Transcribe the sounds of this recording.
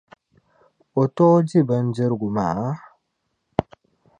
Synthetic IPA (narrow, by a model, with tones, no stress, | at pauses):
ɔ˨tɔ˦d͡ʒi˦ba˨nd͡ʒə˦ɾɡu˨ma̰˨˦